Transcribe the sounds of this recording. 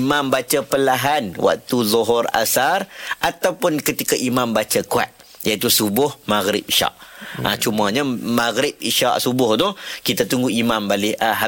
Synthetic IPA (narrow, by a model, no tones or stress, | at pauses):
mãmbat͡ʃapəlaɦanwʔa̰k̚t̪uzɔɦɔra̰sarʔat̪awpʊnkət̪ikaʔimambat͡ʃakua̰t̪̚ | jait̪usubʊhmaɣɾɪ̰piʃa̰ʔə̰t͡ʃumaɲamaɣɾɪp̚iʃa̰ʔsubʊhnʊhkit̪at̪uŋɡuimambalɪəɦa